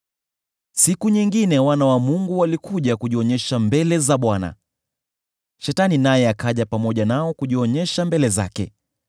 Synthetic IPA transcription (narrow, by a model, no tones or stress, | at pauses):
sikuɲiŋɡinɛwanawamuŋɡuwalikuʄakuʄiɔɲɛʃambɛlɛzaɓwana̰ | ʃɛtaninajɛakaʄapamɔʄanaɔkuʄiɔɲɛʃambɛlɛza̰kɛ̰